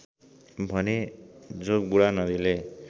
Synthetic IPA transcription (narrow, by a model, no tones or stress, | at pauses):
bʱʌned͡zoɡ̚buɽanʌd̪ile